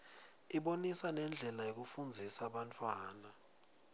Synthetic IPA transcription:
iɓonisanɛnd͡ɮʱɛlajok̬ufund͡zʱisaɓantʰʼwaːna

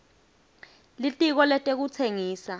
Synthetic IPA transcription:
litʼik̬ɔlɛtʼek̬ut͡sʰeŋiːsa

